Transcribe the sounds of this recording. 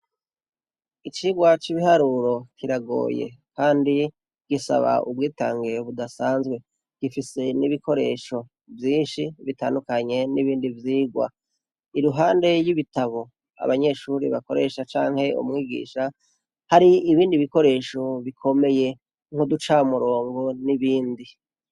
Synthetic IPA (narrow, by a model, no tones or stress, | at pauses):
it͡ʃiːɡwat͡ʃiβihaɾuɾo̞kʰiɾaɡo̞̰ːjḛkaːndi | ɡ̥isa̰βa̰ʔubɡiːta̰ːŋɡeβudasaːnzɡwe̞ | ɡ̥ifise̞niβikʰo̞ɾe̞̰ːʃo̞ | vjiːnʃiβitaːndukaɲe̞niβiːndivjiːɡwa̰ | iɾuɦaːnde̞jiβitaβo̞ | a̰βaɲe̞ʃuɾiβako̞ɾe̞ʃat͡ʃaːŋhe̞ṵmŋiːɡḭːʃa | haɾiiβiːndiβiko̞ɾe̞ːʃo̞βikʰo̞me̞je̞ | ŋ̥hodut͡ʃaumuɾo̞ːŋɡo̞niβiːndi